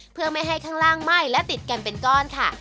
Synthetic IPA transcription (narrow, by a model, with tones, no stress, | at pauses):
pʰɯ˥˩ɐma˥˩jɦa˥˩jkʰaː˥˩ŋlaː˥˩ŋma˥˩jlɛ˦˥wt̪i˨˩t̪̚ka˧npe˧nkɔː˥˩nkʰa˥˩